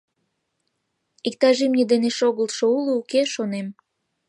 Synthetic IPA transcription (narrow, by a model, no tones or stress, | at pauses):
ik̚t̪ɑʒimnʲed̪eneʃoɣəlt̪ʃouluukeʃonem